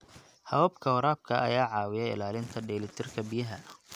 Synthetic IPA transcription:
hɐwɐːbkʰɐwʊɾaːb̚kʰɐɐ̰jaːʕɑːwɪjɛɪ̰laːlɪnt̪ʰɐɖɛːlɪt̪ʰɪrkʰɐbijɐɦɐnɐ

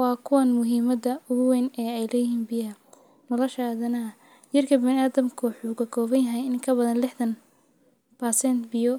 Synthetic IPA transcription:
wɑːkʰʊwɐnmʊɦiːmɐdɐʊɣʊwɛnɛːɛjlɛːjɪhiːnbɪjɐ | nɐlɐʃɐaːðɐnɐɐ | jɐrkʰɐbɪnɪaːðɐmkʰʊħuːkʰɐkʰɔːβɐnjɐɦɛjɪŋkʰɐbɐðɐnlɪħd̪ɐn | bɐsɛnt̪bɪjɔ

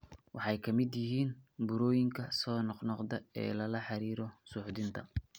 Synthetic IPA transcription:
wʔɑħɑjkʰɐmɪd̪jɪɦiːnbʊɾɔːjɪŋkʰɐsɔːnɔqnɔqd̪ɐɛ̰ːlɐlɐħɑɾiːɾɔsʊːħd̪ɪnt̪ʰɐ̰

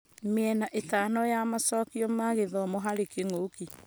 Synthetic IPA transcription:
meɛnaʔetanɔjamasɔkiɔmaɣeðɔmoɦaɾekeŋoki

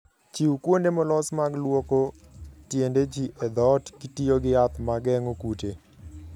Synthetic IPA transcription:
t͡ʃiwkwondemɔlɔsmaɡlwoko | tjended͡ʒiʔɛd̪ɔtkitijoɡɪat̪maɡɛŋokute

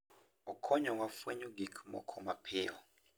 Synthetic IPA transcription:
ukʰɔɲɔwafeɲuɡikʰmɔ̰kʰɔmapʰeːwɔ

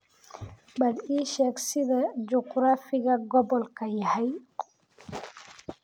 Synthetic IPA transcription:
badiʃɛksid̪ad͡ʒukɾafiɡaɡɔbɔlkajhaj

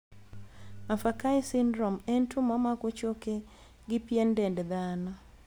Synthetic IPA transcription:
mafakaisɪndɾɔmentʰumamakot͡ʃoke | ɡɪpjendɛndɛd̪anɔ

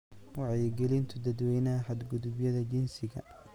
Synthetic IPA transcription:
wɑʕɛjɡɛlɪnt̪ʰʊd̪ɐd̪wɛjnɐɦɐħɐd̪ɡʊðʊbjɐðɐd͡ʒɪnsɪɣɐ̰

